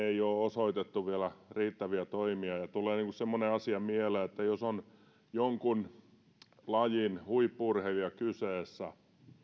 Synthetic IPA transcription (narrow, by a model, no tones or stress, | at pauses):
eijoːosoit̪et̪ːuʋielæriːt̪ːæʋiæt̪oimiɑjɑt̪ulˑeːniːŋkussemːoneɑsiɑmieleet̪ːæjoson | joŋkun | lɑjinhuipːuurheliɑkyseːsːæ